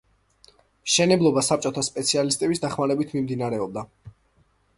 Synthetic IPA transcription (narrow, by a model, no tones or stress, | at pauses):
mʃɛnɛblˠɔbasap̚t͡ʃʼɔt̪ʰaspʼɛt̪sʰialist̪ʼɛbisd̪aχmaɾɛbit̪ʰmimd̪inaɾɛɔb̚d̪a